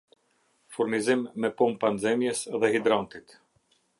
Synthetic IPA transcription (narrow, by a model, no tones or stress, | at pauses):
fuɾnizimːɛpɔmpanzɛmjɛsðɛhid̪ɾant̪it̪